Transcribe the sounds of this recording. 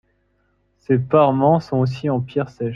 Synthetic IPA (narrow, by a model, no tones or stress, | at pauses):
sepaʁmɑ̃sɔ̃osiɑ̃pjɛʁsɛ